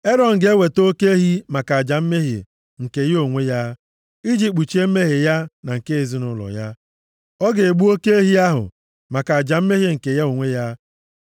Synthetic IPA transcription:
e˦ɾɔ˨n̩˨ɡe˦we˨to˦ke˦e˦ɦi˦ma˨ka˨a˨d͡ʒa˨m̩˦me˦ɦḭ˨ | ŋ̩˨ke˨jo˦˨ŋʷe˦ja˦ | i˦d͡ʒi˦k͡pu˨t͡ʃe˦m̩˦me˦ɦe˨ja˦na˨ŋ̩˨ke˦e˨zi˦nʊ˦lɔ̰˨ja˦ | ɔ˦ɡe˨ɡ͡bu˦o˦ke˦e˦ɦi˦a˦ɦʊ̰˨ | ma˨ka˨a˨d͡ʒa˨m̩˦me˦ɦi˦ŋ̩˨ke˨ja˦o˨ŋʷe˦ja˦

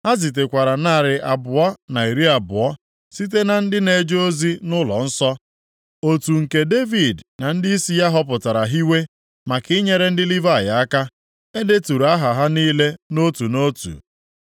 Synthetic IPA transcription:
a˦zi˨t̬e˨kʷa˨ɾa˨na˦˨ɾɪ˨ʔa˨bʊ˨ɔ˦na˨i˨ɾi˦a˨bʊ˨ɔ˦ | si˦t̬e˦na˨n̩˦dɪ˦ne˨d͡ʒo˦zi˦nʊ˦lɔ̰˨n̩˦sɔ˦ | o˨tu˨ŋ̩˨ke˨de˦vi˨dna˨n̩˦dɪ˦i˦si˦ja˦ɦɔ˦p̬ʊ˨ta˨ɾa˨ɦi˦we˦ | ma˨kɪ˦ɲe˦ɾe˦n̩˦dɪ˦li˦va˦˨ja˨a˦ka˦ | e˦de˦tu˨ɾa˦ɦa˨ɦa˦niː˦le˦no˦tu˨no˦tṵ˨

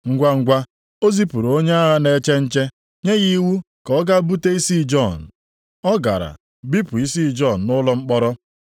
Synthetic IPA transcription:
ŋ̩˦ɡʷa˦ŋ̩˦ɡʷa˦ | o˦zi˦pu˨ɾo˨o˦ɲe˦a˦ɦa˦ne˨˦t͡ʃe˦n̩˦t͡ʃe˦ | ɲe˦ɣi˦wu˦ | kɔ˦ɡa˦bu˦te˦i˦si˦˨d͡ʒɔ˦˨n̩˨ | ɔ˦ɡa̰˨ɾa̰˨ | bi˦pu˨i˦si˦˨d͡ʒɔ˦˨n̩˨nʊ˦lɔ˦ŋ͡m̩˦k͡pɔ˦ɾɔ˦

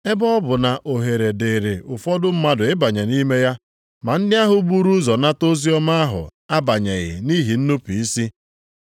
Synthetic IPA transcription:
e˦bɔ˦ɔ˦bʊ˨na˨ʔo˨ɦe˨ɾe˨de˨ɾe˨ʔʊ˨fɔ˦dʊ˦m̩˦ma˦dʊ˨ɪ˦ba˨ɲe˨ni˦me˦ja˦ | ma˨n̩˦dɪ˦a˦ɦʊ˦bu˦ɾu˦zɔ˨na˦to˦zi˦ɔ˦ma˦a˦ɦʊ̰˨a˦ba˨ɲe˨ɣɪ̰˨ni˦ɦi˨n̩˦nu˦pi˨i˦si˦

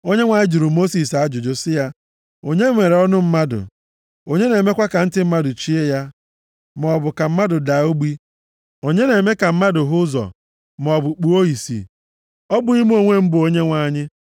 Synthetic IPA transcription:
o˦ɲe˦ŋʷa˨ɲɪ˦d͡ʒi˨ɾʊ˨mo˦si˨sa˦d͡ʒʊ˨d͡ʒʊ˦sɪ˦ja˦ | o˦ɲe˦ŋʷe˨ɾe˨ɔ˦nʊ˦m̩˦ma˦dʊ̰˨ | o˨ɲe˦ne˨me˦kʷa˦ka˨n̩˦tɪ˦m̩˦ma˦dʊ˨t͡ʃi˦e˦ja˦ | m˨ɔ˨bʊ˨ka˨m̩˦ma˦dʊ˨da˨˦o˦ɡ͡bi˦ | o˨ɲe˦ne˨me˦ka˨m̩˦ma˦dʊ˨ɦʊ˦zɔ̰˨ | m˨ɔ˨bʊ˨k͡pu˨o˦i˨sḭ˨ | ɔ˦bʊ˨i˦m˦o˨ŋʷe˦m̩˦bʊ˨o˦ɲe˦ŋʷa˦ɲɪ˦

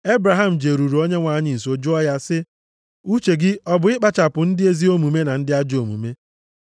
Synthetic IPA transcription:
e˦bɾa˨ɦa˦m̩˨d͡ʒe˨ɾu˨ɾu˨o˦ɲe˦ŋʷa˨ɲɪ˦˨i˨so˨d͡ʒu˦ɔ˦ja˦sɪ˦ | u˦t͡ʃe˨ɡɪ˦ɔ˦bʊ˨˦ɪ˦k͡pa˦t͡ʃa˨pʊ˨n̩˦dɪ˦e˦zi˦o˦mu˨me˦na˨n̩˦dɪ˦a˦d͡ʒo˨mṵ˨me˦

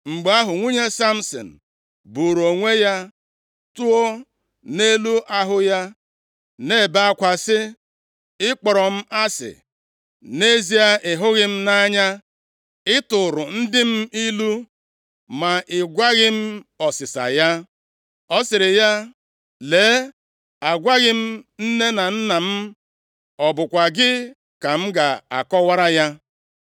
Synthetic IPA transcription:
ŋ͡m̩˨ɡ͡ba˦ɦʊ˨ŋʷi˦ɲe˦sa˦m̩˦sɔ̰˨n̩˨ | bu˨ɾo˨ŋʷe˦ja˦ | tu˦o˦ | ne˦lu˦ʔa˦ɦʊ˦ja˦ | ne˦˨ba˦˨a˦kʷa˨sɪ˦ | ɪ˦k͡pɔ˨ɾɔ˨m̩˦a˦sɪ̰˨ | ne˦zi˦a˦ʔɪ˨ɦʊ˦ɣɪ˦m̩˦na˦ɲa˦ | ɪ˦tʊ˨ɾʊ˨n̩˦dɪ˦m̩˦i˦lu˦ | ma˨ʔɪ˨ɡʷa˦ɣɪ˦m̩˦ɔ˨sɪ˨sa̰˨ja˦ | ɔ˦sɪ˨ɾɪ˨ja˦ | leː˨˦ | a˨ɡʷa˦ɣɪ˦m̩˦n̩˦ne˦na˨n̩˦na˨m̩˦ | ɔ˨bʊ˨kʷa˨ɡɪ˦ | ka˨m̩˦ɡa˨a̰˨kɔ˦wa˦ɾa˦ja˦

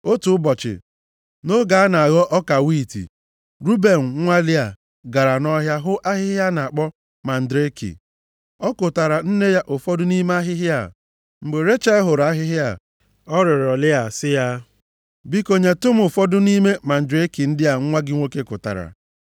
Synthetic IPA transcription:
o˦tu˨ʊ˦bɔ˨t͡ʃɪ̰˨ | no˦ɡa˨a˦na˨a˨ɣɔ˦ʔɔ˦ka˨wi˦˨tḭ˨ | ɾu˦be˨n̩˨˦ŋʷa˦lɪ˦a˨ | ɡa˨ɾa˨nɔ˦ɦja˦ɦʊ˦ʔa˦ɦɪ˦ɦɪ˦a˦na˨k͡pɔ˦ | ma˨n̩˨dɾe˦kḭ˨ | ɔ˦kʊ˨ta˨ɾa˨n̩˦ne˦ja˦ʔʊ˨fɔ˦dʊ˦ni˦me˦a˦ɦɪ˦ɦɪ˦a˦˨ | ŋ͡m̩˨ɡ͡be˨ɾe˦t͡ʃa˦ɦʊ˨ɾa˦ɦɪ˦ɦja˦˨ | ɔ˦ɾɪ˨ɾɔ˨lɪ˦a˨sɪ˦ja˦ | bi˦ko˦ɲe˨to˦m̩˦ʊ˨fɔ˦dʊ˦ni˦me˦ma˨n̩˨dɾe˦ki˨n̩˦dɪ˦a˨ŋ̩˦ŋʷa˦ɡɪ˦ŋʷo˦ke˦kʊ̰˨ta̰˨ɾa̰˨

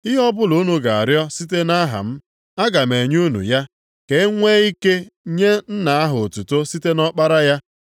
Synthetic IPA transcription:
ɪ˦ɦɔ˦bʊ˦lu˨˦nu˨ɡa˨a˨ɾjɔ˦si˦t̬e˦na˦ɦa̰˨m̩˦ | a˦ɡa˨me˨ɲu˦nṵ˨ja˦ | ke˨˦ŋʷe˦i˦ke˦ɲe˦n̩˦na˨a˦ɦʊ˨tu˨to˦si˦te˦nɔ˦k͡pa˦ɾa˦ja˦

